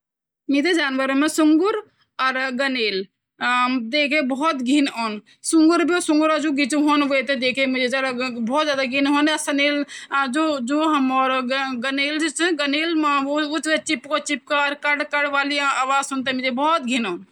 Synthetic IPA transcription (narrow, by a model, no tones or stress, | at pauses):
mit̪ed͡ʒaːnʋəɾmẽsʊŋɡʊɾ | ɔɾɡɐneːl | d̪eːkʰebɔɦɔt̪ɡʱinɔn | suŋɡuɾbʱiosʊ̃ŋɡuɾad͡ʒoɡit͡ʃuɦonʋot̪ed̪eːkʰemʊd͡ʒed͡ʒaːd̪abɔːt̪zjaːd̪aɡʱinɦonasɐneːld͡ʒod͡ʒoːɦɐmɔːɾɡɐneːlt͡ʃɡɐneːlmat͡ʃet͡ʃipkot͡ʃip̚kaɾkɐɽkɐɽʋaːliaːʋaːzunt̪emid͡ʒebɔɔt̪̚ɡʱinoːn